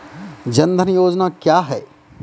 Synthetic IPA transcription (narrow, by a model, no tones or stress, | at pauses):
d͡ʒɐ̃nd̪ʱənjoːd͡ʒnakjaːɦɛː